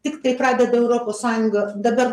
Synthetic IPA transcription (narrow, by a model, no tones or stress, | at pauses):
t̪ʲɪkt̪ɐɪpɾɑːd̪ʲɛd̪ɐɛʊɾoːpoːssɑːjʊŋɡɐd̪ɐbɐɾ